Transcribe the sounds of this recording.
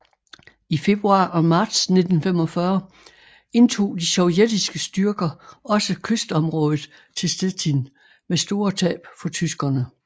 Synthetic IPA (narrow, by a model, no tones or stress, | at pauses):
ife̝b̥ʁuɑ̰̈ʔɒ̽mɑ̈ːd̥sne̝d̥n̩fem̰ɒ̽fɶɐ | e̝nt͡sʰo̝̰ːd̥iɕɒʊjed̥isɡ̥əsd̥yɐɡ̥ɐɒ̽səkʰøsd̥ɒ̽mʁɔ̽ːð̞̩ˠ | t͡sʰe̝lsd̥et͡sʰin | mesd̥o̝ːɐt͡sʰɛ̰ːb̥fɒ̽t͡sʰysɡ̥ɐnə